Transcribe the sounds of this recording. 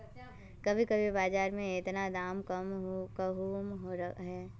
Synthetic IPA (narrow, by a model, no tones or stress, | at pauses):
kɐbʱikɐbʱibaːd͡ʒaːɾmẽɪt̪nad̪aːmkəmkaɦuːmɦoɾɦɛː